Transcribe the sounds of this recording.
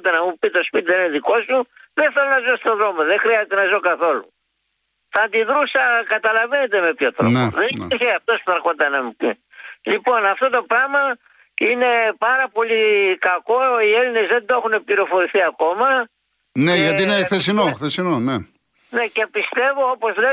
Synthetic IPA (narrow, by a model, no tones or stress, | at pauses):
t̪ɐnɐmupit̪o̞spit̪iðeineðiko̞suðeθelonɐzost̪oðɾo̞moðexɾiɐzet̪e̞nɐzokɐθo̞lu | tɐnt̪iðɾusɐkɐt̪ɐlɐve̞ne̞t̪e̞me̞pçotɾoneðeiiçeɐft̪o̞spuθɐɾkot̪ɐnɐmupi | lipo̞nɐft̪o̞t̪o̞pɾɐmɐ | ine̞pɐɾɐpo̞likɐko̞ie̞line̞zðe̞nd̪oexune̞pliɾo̞fo̞ɾiθiɐko̞mɐ | neʝɐt̪ineθes̬inoxθesinone | ne̞ce̞pist̪e̞voopo̞zle